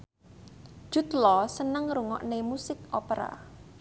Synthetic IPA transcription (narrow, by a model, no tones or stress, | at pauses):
ʒ̥ṳt̪lɔsənəŋɾuŋɔ̰ʔnemusɪkopeɾa̰